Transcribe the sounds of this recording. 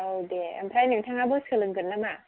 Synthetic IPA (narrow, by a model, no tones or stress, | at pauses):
owdea̰mpʰɾajnɯŋtʰaŋabɯskʰɯlɯŋkɯnːama